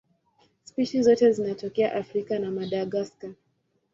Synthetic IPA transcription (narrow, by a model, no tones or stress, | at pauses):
spiʃizɔtɛzinatɔkɛa̰ʔafɾikanamaɗaɠaska